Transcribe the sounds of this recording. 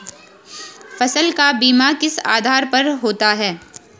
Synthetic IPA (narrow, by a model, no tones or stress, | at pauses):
fɐsəlkabiːmakɪsa̰ːd̪ʱaːɾpɐɾɦoːt̪aɦɛː